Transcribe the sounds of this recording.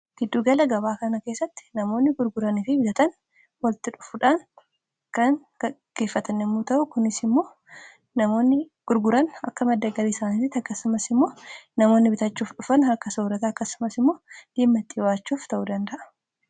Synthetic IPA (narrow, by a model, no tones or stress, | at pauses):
ɡ̥ɪd̪ːuːɡɐlɐɡɐbaːkɐnɐke̞ːsːɐt̪ːɪ̥nɐmo̞ːnːɪɡʊɾɡʊɾɐnɪfɪbɪt̪ɐt̪ɐn | wɐlt̪ɪᶑʊ̥fʊᶑaːn | kɐŋ | ɡ̥ɐɡ̥e̞ːfːɐt̪ɐnːɛmːuːt̪ɐʔʊkʊnɪsɪmːo̞ː | nɐmo̞ːnːɪ | ɡ̥ʊɾɡʊɾɐnɐ̰kːɐmɐd̪ːɐɡɐɾiːsaːnɪt̪ɪt̪ːɐkːɐsʊmɐsɪmːo̞ːnɐmoːnːɪbɪt̪ɐt͡ʃːuːfᶑʊfɐnhɐkːɐsoːɾɐt̪ɐɐkːɐsʊmɐsɪmːo̞ːd̪̥iːmːɐt̪ːɪwaːt͡ʃːuːft̪ɐʔuːd̪ɐnd̪ɐʔɐ̥